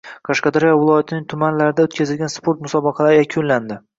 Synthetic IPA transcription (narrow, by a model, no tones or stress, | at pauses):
qʰɑʃqɑd̪aɾijɒvɪlˠɒjat̪ʰɪnɪŋt̪ʰʊmanlaɾɪd̪aot̪̚kʲʰazɪlɡʲanspo̞ɾt̪mʊsɒbɑqʰɑlaɾɪjakʲʰʊnland̪ɪ